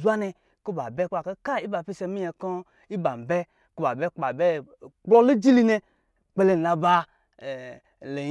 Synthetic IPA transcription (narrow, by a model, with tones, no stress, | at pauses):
u˦a˦ne˧ | ko˦ba˨be˦k͡pa˧˨ka˦ka˦i˦ba˨pi˦se˧mi˦e˧kɔ˦ | i˦ba˨m˨bɛ˦ | ko˦ba˨be˦a˨be˦ | k͡plɔ˦lo˦d͡ʒi˦li˦ne˧ | k͡pe˧le˧n˨la˧ba˧˨ | le˨